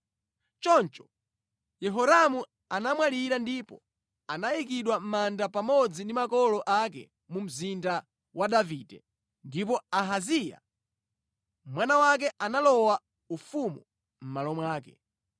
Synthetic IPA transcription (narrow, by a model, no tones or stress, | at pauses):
t͡ʃɔnt͡ʃɔ̥ | jɛɦɔɾamu | anamwaliɾandipɔ̰ | anajik̬iɗwam̩mandapamɔd͡zindimakɔlɔʔak̬ɛ̰ | mum̩zinda | waɗaviːdɛ̰ | ndip̬ɔaɦazija̰ | mwanawak̬ɛʔanalɔwa | ufumu | m̩malɔmwaːkɛ̰